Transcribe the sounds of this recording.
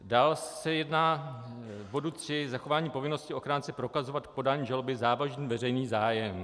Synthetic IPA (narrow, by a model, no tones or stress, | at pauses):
daːlsɛjɛdnaː | bo̞dut̪r̝̥ɪzaxo̞vaːɲiːpo̞vɪno̞scɪo̞xɾaːnt͡sɛpɾo̞kazo̞vat̪k̚po̞daːɲiʒalobɪzaːvaʒniːvɛrɛjniːzaːjɛm